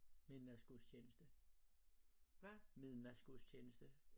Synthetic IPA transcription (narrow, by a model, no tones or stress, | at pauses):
miðˠnæsɡ̥ust͡ɕʰeːnəsd̥ə | ʋæmiðˠnæsɡ̥ust͡ɕʰeːnəsd̥ə